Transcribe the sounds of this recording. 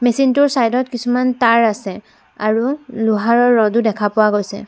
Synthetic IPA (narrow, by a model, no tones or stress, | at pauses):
mesintʊɹsajdɔtkisumantaɹasɛ | aɹulʊɦaɹɔɹːɔdudɛkʰapʊwaɡojsɛ̰